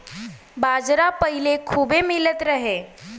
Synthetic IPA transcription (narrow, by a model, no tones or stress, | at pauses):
bad͡ʒɾapəɦilekʰuːbemilət̪ɾəɦe